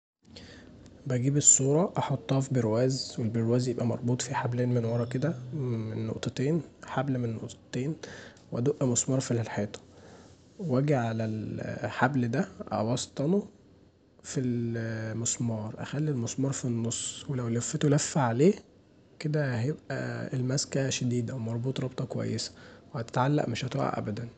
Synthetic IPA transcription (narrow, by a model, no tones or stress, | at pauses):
bæɡiːbesˤːuːɾˤɑʔɑħot̪ˤːɑːfbeɾwæːzwelbeɾwæːzjebʔæmɑɾˤbuːt̪ˤfiħableːnmenwɑɾˤɑked̪æmenːo̰ʔt̪ˤɑt̪eːnħablmenːoʔt̪t̪eːnweʔæd̪oʔæmosmɑːɾˤfillħeːt̪ˤɑ̥ | wæɡiʕalælħabld̪æʔɑ̰wɑst̪ˤɑno | filmesmɑːɾˤʔæ̰xælːilmosmɑːɾˤfinːosˤːwelæwlæfːet̪olæfːaʕaleː | ked̪æhæjebʔæ̰elmæskæʃæd̪iːd̪æwemɑɾˤbuːt̪ˤɾˤɑbt̪ˤɑkowæ̰jːesæ̥wehæt̪e̥t̪ʕalːæ̰ʔmeʃʔæt̪o̰ʕa̰ʔæ̰bæd̪æn